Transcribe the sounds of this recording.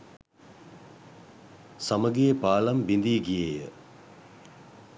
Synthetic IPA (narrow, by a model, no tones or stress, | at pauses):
saməɡepaːlɐmbind̪iːɡijeːjə